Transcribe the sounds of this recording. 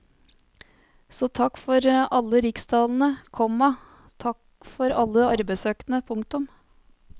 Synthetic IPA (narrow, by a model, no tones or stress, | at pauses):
sɔːt̪ʰɑkːfɔɾɑlːəɾɪkst̪ʰɑːln̩əkʰɔmɑ | t̪ʰɑk | fɔɾɑlːəɑɾbæɪsøːknəpʰʊŋk̚t̪ʊm